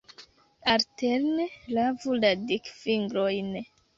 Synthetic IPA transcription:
alteɾnelavuladikfiŋɡɾojn

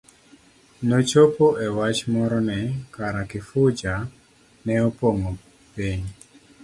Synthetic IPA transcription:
not͡ʃopoʔɛwat͡ʃmɔɾɔnɛkaɾakɪfʊd͡ʒa | nɛɔpoŋo | peɲ

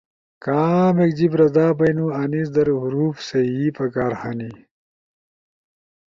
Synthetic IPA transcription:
kaːmek̚d͡ʑibɾɐd̪aːbɐjnuɐnis̬d̪ɐɾɦuɾuːfsɐiːpɐkaːɾxani

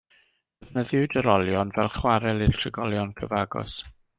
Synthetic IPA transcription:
əvnəðʊwdəɾɔlˠjɔnvɛlˠχwaɾɛlˠɪrtʰrɪɡɔlˠjɔnkʰəvaɡɔ̰s

